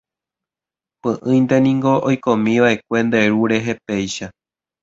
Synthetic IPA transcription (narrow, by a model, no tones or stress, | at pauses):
pɨ̃ʔɨ̃j̃nd̪e̞nĩŋɡo̞ʔojkõmĩʋaʔe̞kʷe̞nd̪e̞ɾuɾe̞ɦe̞pe̞jʃa